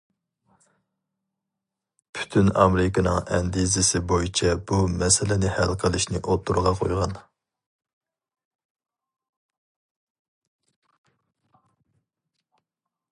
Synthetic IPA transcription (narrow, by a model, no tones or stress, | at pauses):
pʰy̥t̪ʰynɑ̰meɾɪkɑnɨŋɛnd̪izɪsɪbojit͡ʃʰɛb̥umɛsɪlɪnɪhælqʰəlˠɪʃnɪʔot̪ʰːuɾʁɑqʰo̰jʁɑn